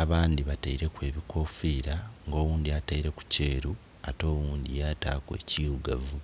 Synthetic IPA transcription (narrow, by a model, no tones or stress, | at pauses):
aβaːnd̪iβataiɾe̞kwe̞ːβiko̞ːfiːɾaŋɡo̞ːwuːndiataiɾe̞ku̥ce̞ːɾu | ato̞ːwuːnd̪ijaːtaːkwe̞̰ːciuɡavu